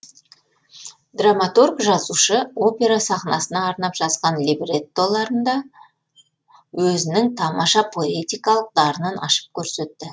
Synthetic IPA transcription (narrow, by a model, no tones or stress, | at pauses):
d̪̥ramat̪urɡʒɑzuʃəo̞pʲe̞ɾasɑχnɑsənɑːɾnɑpʒ̥ɑzʁɑnlibret̪ːo̞lˠɑɾənd̪ɑ | wɵzɪnɪŋt̪ʰɑmɑʃɑpʰo̞et̪ʲijkɑlˠəq̚d̪ɑɾənənɑ̰ʃə̥p̚kʲʰɵɾse̞t̪ːɪ